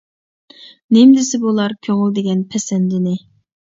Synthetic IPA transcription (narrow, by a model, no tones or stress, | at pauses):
nɪmd̪ɪsɪbolˠɑɾkʲʰøŋɨlˠd̪eɡʲɛnpʰɛsɛnd̪ɪnɪ